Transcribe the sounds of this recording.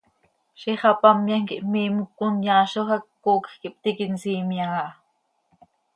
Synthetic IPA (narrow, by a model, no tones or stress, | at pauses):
ʃiχɑpɑmjaŋkiʔmiːmukːunjaːʃoxɑkː | oːkxkiʔp̚t̪ikinsiːmjaɣɑʔ